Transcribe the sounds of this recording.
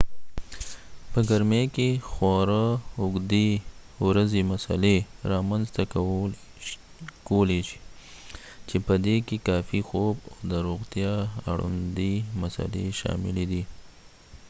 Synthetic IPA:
pəɡaɾmekexwɑɾaʊɡd̪ewɾazemasa̰leɾɑmanzt̪a | koleʃi̥ | t͡ʃepəd̪ekekɑfixobawd̪əɾoɣt̪jɑa̰ɽṵnd̪imasa̰leʃɑ̰mɪled̪i

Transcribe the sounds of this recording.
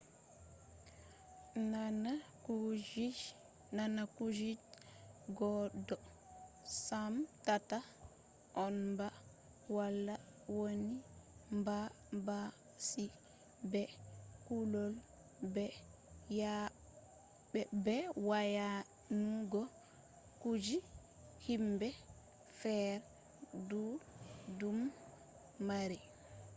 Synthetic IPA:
nana | ud͡ʒi | nanakud͡ʒid͡ʒɡɔdɔ | samtata | ʔɔnmba | walːa | wonimba | ba | si | bɛkulɔl | bɛ | ja | bɛbɛwaja | nuɡɔ | kud͡ʒi | himbɛ | fɛɾ | dudumː | aɾi

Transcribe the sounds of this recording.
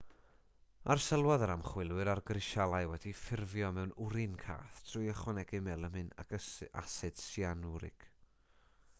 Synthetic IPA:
arsəlˠwaðəɾamχwɪlˠwɨɾarɡrɪʃalˠajwɛdifɪrvjɔmɛwnʊɾɨnkʰa̰ːθtʰrʊjəχwanɛɡɨmɛlˠəmɨna̰kəa̰sɨd̥sianuɾɪ̰ɡ̥

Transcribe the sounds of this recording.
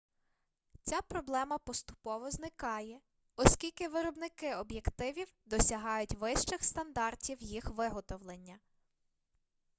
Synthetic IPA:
t͡sʲapɾɔblˠɛmɐpɔst̪ʊ̥pɔʋɔznɪkɑjɛ | ɔsʲkʲilʲkɪʋɪɾɔbnɪkɪɔbjekt̪ɪʋʲiwd̪ɔsʲɐɦɑjʊtʲʋɪʃt͡ʃɪxst̪ɐnd̪ɑrtʲiwjixʋɪɦɔt̪ɔwlˠenʲːɐ

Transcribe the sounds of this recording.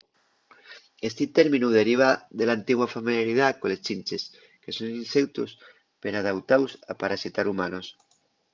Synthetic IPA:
est̪it̪eɾminuðeɾiβ̞aðelant̪iɣwafamiljaɾiðakolest͡ʃinʲt͡ʃes | kesoninsewt̪us | peɾað̞awt̪awsapaɾasit̪aɾumanos

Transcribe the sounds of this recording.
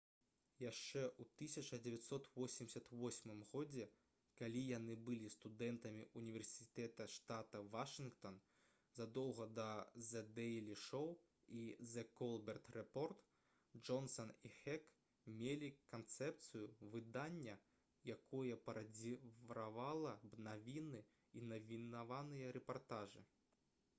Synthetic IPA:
jaʂt͡ʂɛʔut̪ɨsʲɐt͡ʂɐd͡zʲɛvʲat̪sɔt̪vɔsʲimʲsʲɐt̪vɔsʲmɨmɣɔd͡zʲɛ | kalʲijanɨbɨlʲist̪ud̪ɛnt̪ɐmʲiʔunʲivʲɛrsʲit̪ɛt̪ɐʂt̪at̪ɐvaʂɨnkt̪ɔn | zad̪ɔwɣɐd̪ɐzɛd̪ɛlʲiʂɔw | izɛkɔlˠbʲɛrt̪rɛpɔrt̪ | d͡ʐɔnsɐnixɛk | mʲelʲikant̪sɛp̚t̪sɨjuvɨd̪anʲːɐ | jakɔjɐpɐɾad͡zʲivɾavalˠɐbnavʲinɨ | inɐvʲinavanɨjɐɾɛpart̪aʐɨ̰

